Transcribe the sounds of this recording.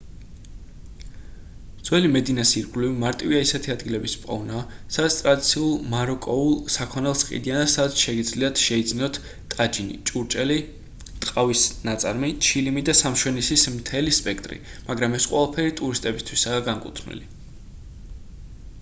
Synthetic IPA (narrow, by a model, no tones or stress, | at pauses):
d̪z̥wɛlimɛd̪inasiɾɡlivimaɾt̪ʼiviaisɛt̪ʰiad̪ɡilɛbispʼɔ̰vnasad̪at̪ʰt̪ʼɾad̪it̪sʰiulˠmaɾɔkʼɔulˠsakʰɔnɛlˠsqʼḭd̪ianasad̪at̪sʰʃɛɡid̪zliat̪ʰʃɛid̪znɔt̪ʰ | t̪ʼad͡ʒinḭt͡ʃʼuɾt͡ʃʼɛli | t̪ʼqʼavisnat̪sʼaɾmit͡ʃʰilimid̪asamʃwɛnisismt̪ʰɛlispʼɛk̚ʰt̪ʼɾḭmaɡɾamɛsqʼwɛlˠapʰɛɾit̪ʼuɾist̪ʼɛbist̪ʰwisaːɡaŋkʼṵt̪ʰnḭli